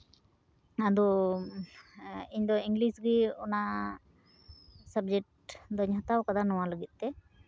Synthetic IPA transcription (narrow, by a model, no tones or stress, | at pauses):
ad̪ɔ | iɲd̪ɔiŋɡlisɡiɔna | sab̚d͡ʒɛk̚ʈd̪ɔɲɦɔt̪awkad̪anɔwaləɡit̪̚ˀt̪ɛ